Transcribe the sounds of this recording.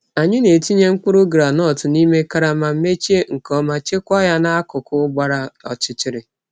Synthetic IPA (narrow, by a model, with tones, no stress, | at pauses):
a˨ɲɪ˦ne˨ti˦ɲe˦ŋ͡m̩˦k͡pʊ˦ɾʊ˦ɡɾa˨nɔ˦˨tʊ˨ni˦me˦ka˦ɾa˨ma˨m̩˦me˦t͡ʃi˦e˦ŋ̩˨kɔ˦ma˨t͡ʃe˦kʷa˦ja˦na˦kʊ˨kʊ˦ɡ͡ba˦ɾa˦ɔ̰˨t͡ʃɪ˨t͡ʃɪ˦ɾɪ˨